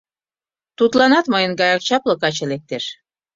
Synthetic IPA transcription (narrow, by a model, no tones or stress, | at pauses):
t̪ut̪lɑnɑt̪mɤjənɡɑjɑk̚t͡ɕɑplɤ̆kɑt͡ɕĕlek̚t̪eʃ